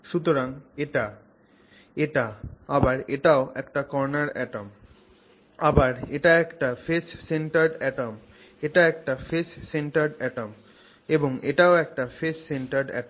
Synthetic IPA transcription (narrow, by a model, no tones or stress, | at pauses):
ʃut̪oɾaŋeʈa | eʈaabaɾeʈaoɛkʈakɔɾnaɾɛ̰ʈom | abaɾeʈaɛkʈafeʃseɳʈaɾɖɛʈom | eʈaɛk̚ʈafeʃseɳʈaɾɖɛʈom | eboŋeʈaoɛk̚ʈafeʃsenʈaɾɖɛ̰ʈo